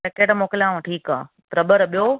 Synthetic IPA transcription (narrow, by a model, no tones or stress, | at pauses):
ekeːɽmoːkɪljãːũʈʰiːka̰ː | pɾɐbəɾɓijoː